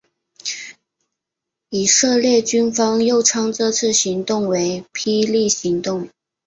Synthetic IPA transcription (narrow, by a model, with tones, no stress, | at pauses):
i˨˩ʂɤ˥˧ljɛ˥˩t͡ɕy˥nfɑ˥ŋjo˥˩ʊʈ͡ʂʰɑ˥ŋt͡sɤ˥˧t͡sʰɹ̩˥˩ɕi˧˥ŋt̪ʊ˥˩ŋwe˧˥ɪpʰi˥li˥˩ɕi˧˥ŋt̪ʊ˥˩ŋ